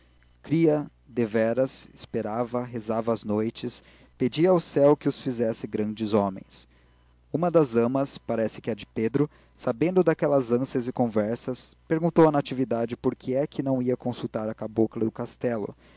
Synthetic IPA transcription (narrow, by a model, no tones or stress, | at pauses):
kɾiɐ | d̪evɛɾɐsɪspeɾavɐɦezavɐːznojt͡ʃɪs | ped͡ʒiɐawsɛwkɪʊsfizɛsɪɡɾɐ̃d͡ʒɪzõmḛ̃j̃s | ũmɐd̪ɐzɐ̃mɐspaɾɛsɪ̥kɪɛd͡ʒɪped̪ɾʊ | sabẽnd̪ʊd̪akɛlɐzɐ̃siɐzɪkõvɛɾsɐspeɾɡũnt̪owɐnat͡ʃivid̪ad͡ʒɪpoɾkʰɪɛkʰɪnɐ̃w̃iɐkõsut̪aɾɐkaboklɐd̪ʊkast̪ɛlʊ̰